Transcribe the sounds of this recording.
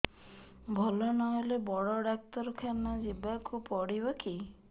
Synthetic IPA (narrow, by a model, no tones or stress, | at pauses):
bʱɔlɔnɔɦɔlebɔɽɔɖak̚t̪ɔɾɔkʰanad͡ʒibakupɔɽibɔki